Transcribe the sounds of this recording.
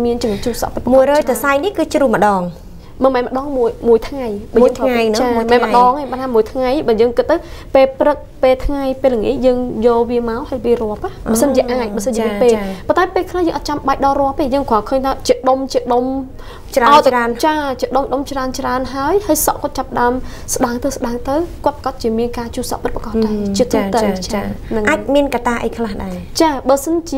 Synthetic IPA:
miənt͡ɕɨəŋt͡ɕuːhsɑ̰ʔp̪muəjrɔːjt̪asajnihkɨːt͡ɕruːmə̆ɗɑːŋ | məmɛːnmə̆ɗɑːŋmuəjmuəjt̪ʰŋajɓaːəːŋt̪ʰːŋajnɨt͡ɕaːmummɛːnməɗɑːŋeːjɓaːnʰaːmuəjt̪ʰŋajɓaːjəːŋkɨt̪ːɨwpeːlprɨk̚peːlt̪ʰŋajpeːləŋḭəhjəːŋjoːlʋiəmaɔhajʋiərŏəpahɓaːsənt͡ɕiəʔaːc̚ɓaːəsənt͡ɕiəmiənpeːlpont̪aɛpeːlkʰlajəːŋʔɑt̪̚t͡ɕamɓaɛk̚ɗɑrŏəpeːjəːŋkʰoakʰəːɲt̪ʰaːt͡ɕiəɗomt͡ɕiəɗom | t͡ɕraraənt͡ɕaːt͡ɕiəɗomɗomt͡ɕraənt͡ɕraənɦaəjhaəjsɑ̰ʔkŏət̪̚t͡ɕapːəɗaəm | s̆ɗaəŋt̪ɨwsɗaəŋt̪ɨwkŏət̪pḁkɑt̪̚t͡ɕiəmiənkaːt͡ɕuːsɑ̰ʔpɨt̪̚pḁkɑt̪ːat͡ɕiət̪ːut̪ɨwt͡ɕaaːnɨŋʔaːc̚miənkat̪aːʔə̰jkʰlahɗaɛ | t͡ɕaːɓaəsənt͡ɕiə

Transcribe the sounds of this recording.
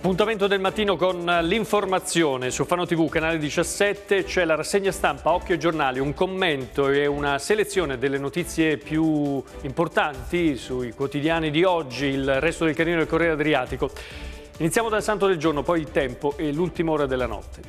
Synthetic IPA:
apːunt̪ament̪od̪elmat̪ːiːnokonliɱformat̪sːjoːnesulfanːot̪ivukːanaːled̪it͡ʃasːɛt̪ːet͡ʃɛlaɾasːeɲːast̪ampaɔkːjoed͡ʒornaːliuŋkomːent̪oeunaselet̪sːjoːned̪elːenot̪it̪sːjepju | import̪ant̪isuikwot̪id̪jaːnid̪iɔd͡ʒːiːlrɛst̪od̪elkaniːnod̪elkorːɛaad̪ɾiaːt̪iko | init̪sjaːmod̪alsant̪od̪eld͡ʒornopɔjilt̪ɛmpoʔelult̪imaoːɾad̪elːanɔ̰t̪ːe̥

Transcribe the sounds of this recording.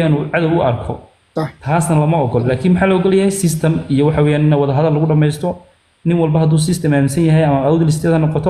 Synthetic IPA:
aːnuːʕɑðɐwʊʔɐrkʰɔ | t̪ʰaːsnɐlɐmɐɔɡɔllaːkʰiːnmħɑːlɔːɡɔlɛjɐɦɛjsɪst̪ʰɐmijɔwɑħɑwɛːjaːnɪnɐwɑðɐɦɐðɐlːɐɣʊɖɐmɛjst̪ʰɔ | nɪnwɑlbɐɦɐd̪uːs̬ɪst̪ʰɐmaːmɪsɐnjɐɦɛjɐmɐawðɪlɪst̪ʰɛːðɐnɔqɔt̪ʰɔ

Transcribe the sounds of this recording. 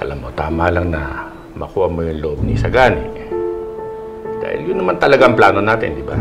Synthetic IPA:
ʔɐ̰laːmːot̪aːmalaŋnɐ̰ | mɐ̰kuːʔɐmojʊŋlʊʔob̚nisɐɡaːnɪ̰ | d̪̥a̰ːhɪ̰ljʊnːɐmant̪ɐlɐɡaʔɐmplaːno̞naːt̪ɪ̰nd̪ɪba̰

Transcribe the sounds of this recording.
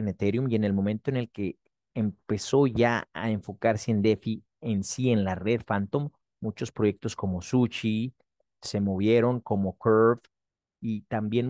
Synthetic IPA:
enet̪e̞ɾjumje̞ne̞lmõ̞mẽnt̪oene̞lke̞ː | mpe̞so̞ʝaa̰e̞ɱfo̞kaɾseend̪e̞fi | e̞nsie̞nlare̞ðfant̪o̞mː | ut͡ʃo̞spɾo̞ʝe̞k̚t̪osko̞mo̞sut͡ʃi | se̞moβ̞je̞ɾo̞ŋko̞mo̞keɾv | it̪ambje̞n

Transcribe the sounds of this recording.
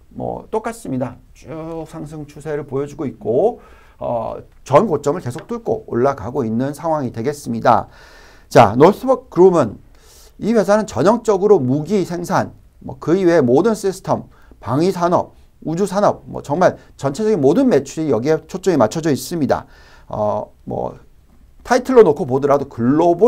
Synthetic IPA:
mwʌ̰t͈ok͈as͈ɯmɲida | t͡ɕʰujk̚sʰaŋs̬ʰɯŋt͡ɕʰusʰe̞ɾɯɭpojʌd͡ʑuɡoit̚k͈o | ʌ̰ | t͡ɕʌnkot͡ɕ͈ʌmɯɭke̞sʰok̚t͈uɭk͈o̰oɭːaɡaɡoinːɯnsʰaŋɦwaŋidwe̞ɡe̞s͈ɯmɲida̰ | t͡ɕa̰nos͈ʰɯbʌk̚k͈ɯɾumɯn | iɸwe̞sʰanɯnt͡ɕʌɲʌŋt͡ɕ͈ʌɡɯɾomuɡisʰe̞ŋsʰan | mʌ̰kɯiweemodɯns͈isʰɯ̥tʰʌm | paŋisʰanʌp̚ | ud͡ʑusʰanʌp̚mwʌ̰t͡ɕʌŋmaɭ | t͡ɕʌnt͡ɕʰe̞d͡ʑʌɡinmodɯnme̞t͡ɕʰuɾijʌɡiɦet͡ɕʰot͡ɕ͈oŋimat͡ɕʰʌd͡ʑʌis͈ɯmɲida̰ | ʌ̰ | mʌ̰ | tʰaitʰɯɭːonokʰop̬odɯɾadokɯɭːobo

